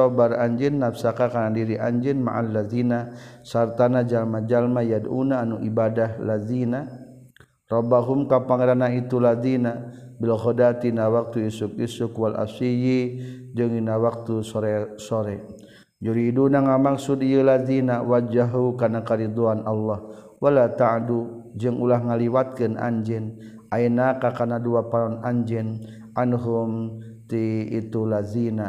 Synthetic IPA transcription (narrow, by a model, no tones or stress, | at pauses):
ɔbaɾaɲd͡ʒɪnːafsakakanadiɾiʔaɲd͡ʒɪnma̰ʔalːaðinasart̪anad͡ʒalmad͡ʒalmajadṵnaːnuʔibadahlaðina | rɔbaɦʊmkapaŋeɾanait̪ulaðina | bilɦɔdat̪inawak̚t̪uisʊk̚isʊkwala̰siji | d͡ʒɨŋinawak̚t̪usɔɾɛsoɾɛ | d͡ʒadiːdunaŋamaksudijəlaðinawad͡ʒaɦukanakaɾid̪oanalːah | walat̪adud͡ʒɨŋulahŋaliwat̪̚kəna̰ɲd͡ʒɛn | ʔainakakanaduapanɔnaɲd͡ʒɛn | ʔanɦʊm | t̪iit̪ulazina